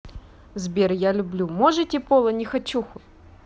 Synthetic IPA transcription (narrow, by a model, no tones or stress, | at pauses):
zbʲerjalʲʊblʲumoʐɨtʲɪpo̞lˠənʲɪxɐt͡ɕːuxʊ